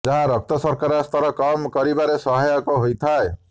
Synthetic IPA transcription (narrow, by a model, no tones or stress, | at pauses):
d͡ʒaɦãɾʌk̚t̪ɔsɔɾkaɾast̪ɔɾɔkɔmkɔɾibaɾesɔɦajɔkoɦojt̪ʰae